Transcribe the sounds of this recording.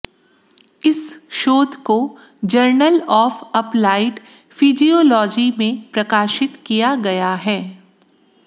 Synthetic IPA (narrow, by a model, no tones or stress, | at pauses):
ɪsʃoːd̪ʱko | d͡ʒəɾnəlɔːfɐplaːɪʈ | fid͡ʒioːlɔːd͡ʒimẽpɾɐkaːʃɪt̪kijaɡɐjaɦɛː